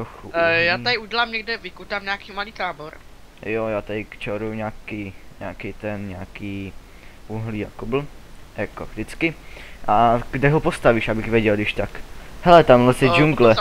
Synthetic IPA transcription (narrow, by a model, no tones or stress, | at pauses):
t̪ɾoxujaːadɪʔuɟɛlaːmɲɛɡdɛvɪkut̪aːmɲaːkiːmaliːt̪aːboɾ | jojaːt̪adɪkt͡ʃɛɾujuɲaːkiːɲa̰ːkɛt̪ɛnɲaːkiː | ʔuɦliːakobl̩jakoʒdɪt͡skɪʔaɡdɛɦopost̪aviːʃabɪxvʲjɛɟɛlɡdɪʃt̪akhɛlɛt̪amlasɛd͡ʒuŋɡlɛ